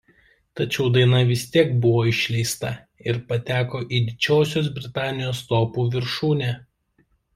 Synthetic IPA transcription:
t̪ɐt͡ʃʲɛʊd̪ɐɪnɐʋʲɪsʲt̪ʲiɛkbʊʋoːɪʃʲlʲɛɪst̪ɐ | ɪɾpɐt̪ʲæːkoːʔiːd̪ʲɪt͡ʃʲoːsʲoːs̬bʲɾʲɪt̪ɑːnʲɪjoːst̪oːpuːʋʲɪɾʃuːnʲeː

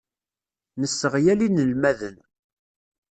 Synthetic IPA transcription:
nəsːəʁjælinəlmæðən

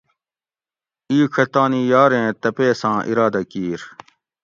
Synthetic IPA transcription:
iːkʰɐt̪aːnijaːɾẽːt̪ɐpeːsãːʔḭɾaːd̪ɐkiːɾ

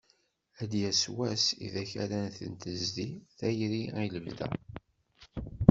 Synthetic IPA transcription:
æd̪jæswæsḭðæçæ̰ɾænθə̰nt̪əzðiθæjɾiæjləvðæ̰

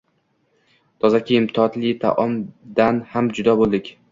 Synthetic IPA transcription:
t̪ʰɒzakʲʰiːmt̪ʰɪɒt̪lɪt̪ʰa̰ʔɒmd̪anhamd͡ʒʊd̪abolˠd̪ɪkʲ

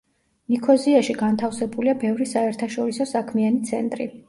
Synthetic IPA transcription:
nikʰɔziaʃiɡant̪ʰafsɛbuliabɛvɾisaɛɾt̪ʰaʃɔɾisɔsakʰmianit̪sʰɛ̰nt̪ʼɾḭ

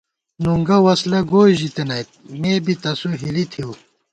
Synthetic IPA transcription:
nuŋɡɐwɐslɐɡoːʑit̪enɐjt̪̚meːbit̪ɐsuɦilit̪ʰiu

